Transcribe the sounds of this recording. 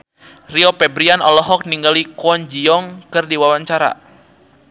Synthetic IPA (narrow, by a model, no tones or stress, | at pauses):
riɔpɛbɾianɔlɔɦɔk̚niŋɡalikɔnd͡ʒiɔŋkɨrdiwawaɲt͡ʃaɾa̰